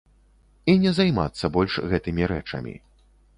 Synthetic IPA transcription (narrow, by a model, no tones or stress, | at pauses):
inʲɛzajma̰t̪sːɐbɔlʲʂɣɛt̪ɨmʲiɾɛt͡ʂɐ̰mʲḭ